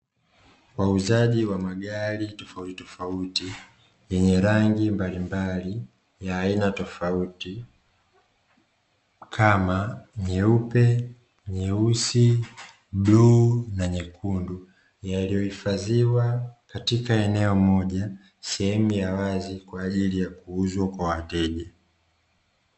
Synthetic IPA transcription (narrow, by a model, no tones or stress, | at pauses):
wauzaʄiwamaɠaɾitɔfauti̥tɔfauti | jɛɲɛɾaŋɡimbalimbali | jaːinatɔfauti | kʰamaɲɛupɛ | ɲɛusi | ɓluːnaɲɛkʰundu | jalijɔhifaziwakatikaɛnɛɔmɔʄa | sɛhɛmujawazikwaːʄilijakuuzwakwawatɛʄa